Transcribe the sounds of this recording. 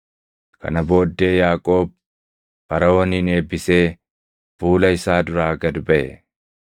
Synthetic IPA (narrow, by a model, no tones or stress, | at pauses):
kɐ̰nɐbo̞ːd̪ːe̞ːjaːkʼo̞ːb̚ | bɐɾɐwɔnɪne̞ːbɪse̞ː | b̥uːlɐɪsaːd̪ʊɾaːɡɐd̪bɐʔɛ̰